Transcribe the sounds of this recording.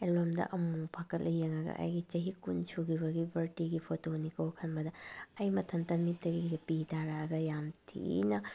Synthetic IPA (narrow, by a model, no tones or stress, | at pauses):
elomdɐ̰ʔɐmupʰakɐlʔɐjeŋɐɡɐ̰ʔa̰jɡit͡ʃɐɦikunt͡ʃʰuɡiβɐɡibʱɐɾtiɡipʰotonikɐwkʰɐnbɐdɐɐjmɐtʰɐntɐmitːɐɡiɡiɡɐpitʰaɾaɡɐjamtʰḭnɐ